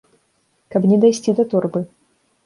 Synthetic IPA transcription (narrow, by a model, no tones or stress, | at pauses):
kɐbnʲɛd̪ajsʲt͡sʲid̪ɐt̪ɔrbɨ